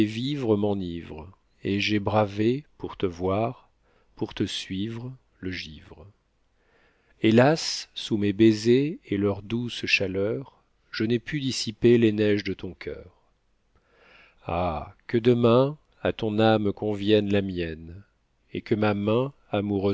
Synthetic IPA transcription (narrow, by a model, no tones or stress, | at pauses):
ɛvivʁəmɑ̃nivʁ | eʒɛbʁavepuʁt̪əvwaʁ | puʁt̪əsɥivʁ | ləʒivʁ | elasːumebezeːlœʁd̪usʃalœʁ | ʒ̥ənɛpyd̪isipelenɛʒd̪ət̪ɔ̃kʰʲœ̰ːʁ | a̰kəd̪əmɛ̃ | a̰t̪ɔ̃namkɔ̃vjɛnlamjɛn | ḛkəmamɛ̃ | amuʁø